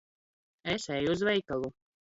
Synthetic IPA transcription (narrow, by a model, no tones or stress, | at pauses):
ɛsʲɛjuzvɛjkalˠu